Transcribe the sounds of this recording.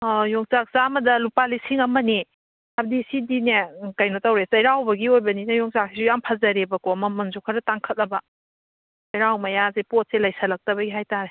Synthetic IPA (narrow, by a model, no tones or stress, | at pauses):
joŋt͡ʃak̚saːmɐdɐlupalisiŋɐmɐni | abdisidinekɐjnotawɾesɐjɾawbɐɡiojbɐninɐjoŋsak̚sisujampʰazɐɾebɐkomɐmɐnzukʰaɾɐtaŋkʰɐt̚lɐbɐ | sɐjɾawmɐjazepot̚selɐjsʰɐlɐk̚tɐbɐɡiɦajtaɾe